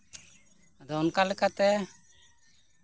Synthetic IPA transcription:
d̪ɔnkalɛkat̪ɛ

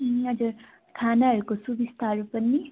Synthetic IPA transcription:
ʌd͡ʒʌɾ | kʰaːnaɦəɾukosubist̪ʰaɾupənːi

